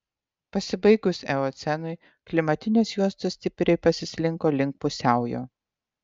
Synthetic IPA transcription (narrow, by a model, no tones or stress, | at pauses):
pɐsʲɪbɐɪɡʊsʲɛoːt̪sʲɛnʊɪ | klʲɪmɐt̪ʲɪnʲeːsjuɔst̪osʲt̪ʲɪpʲɾʲɛɪpɐsʲɪsʲlʲɪŋkoːlʲɪŋk̚pʊsʲæˑʊjo̰ː